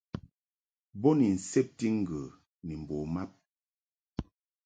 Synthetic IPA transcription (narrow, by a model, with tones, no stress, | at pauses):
bɔ˦ni˨n̩˨sɛ˦p̚ti˦ŋ̩˨ɡə˨ | ni˨m̩˨bɔ˨ma˦p̚